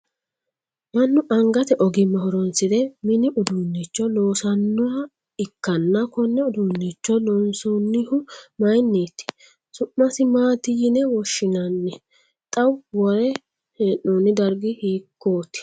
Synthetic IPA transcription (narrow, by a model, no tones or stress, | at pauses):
mɐnːʊʔɐŋɡɐt̪ɛʔɔɡɪmɐhɔɾɔnsɪd̪ɛmɪnɪʔʊd̪uːnːit͡ʃːɔlo̞ːsɐnːɔɾɐ | ɪkːɐnːɐkɔnːɛʊd̪uːnːit͡ʃːɔlɔnsunːɪhʊmɐjnːeːt̪ːɪ̥ | sʊʔːɐsɪmaːt̪ɪjɪnɛwɔʃːɪnɐnːɛ | t̪ʼɐwwɔɾɛ | hɛːnoːnɪd̪ɐɾɡɪhiːkːoːt̪ɪ̥